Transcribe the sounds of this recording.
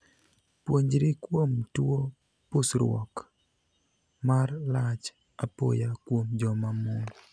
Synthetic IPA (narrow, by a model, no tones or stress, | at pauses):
pwoɲd͡ʒɾikwomtwo | posɾwɔ̰k | marlat͡ʃ | apo̰jakwomd͡ʒɔmamo